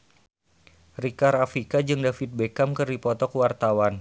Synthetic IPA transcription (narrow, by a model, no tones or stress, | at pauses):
rikaɾafɾikad͡ʒɨŋdafit̪̚bekamkɨrdipɔt̪ɔkəwart̪awan